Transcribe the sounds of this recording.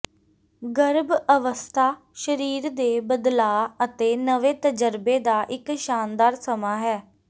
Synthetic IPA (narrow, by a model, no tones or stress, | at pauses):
ɡəɾbəʋəst̪ʰaː | ʃəɾiːɾd̪eːbəd̪laːət̪eːnəʋeːt̪əd͡ʒəɾbeːd̪aːʔɪkʃaːnd̪aːɾsəmaːɦɛː